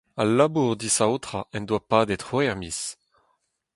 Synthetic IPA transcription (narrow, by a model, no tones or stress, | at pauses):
alabuʁd̪isawt̪ʁaʔɛnd̪wapaːdet̪χwɛʁmis